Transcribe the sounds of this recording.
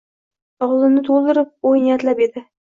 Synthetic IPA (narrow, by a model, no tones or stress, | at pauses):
ɒʁzˠɪmnɪt̪ʰolˠd̪ɪɾɪp̚ojnɪjat̪lape̞d̪ɪ